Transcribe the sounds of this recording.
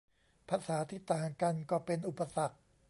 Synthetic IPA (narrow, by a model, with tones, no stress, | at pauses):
pʰaː˧saː˩˦t̪ʰiː˧˩t̪aː˨˦˩ŋka˧nkɔː˥˩pe˧nʔu˨˩pːa˧sa˨˩k̚